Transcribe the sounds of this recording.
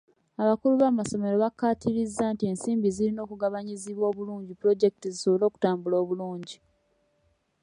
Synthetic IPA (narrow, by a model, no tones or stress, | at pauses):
aβakuluβaːmaso̞me̞ɾo̞βakːatiɾizːaːntie̞nsiːmbizilino̞ːkuɡaβaɲiziβwo̞ːβuluːɲɟipuɾo̞ɟe̞kitiziso̞βolo̞ːku̥taːmbulo̞ːβuluːɲɟi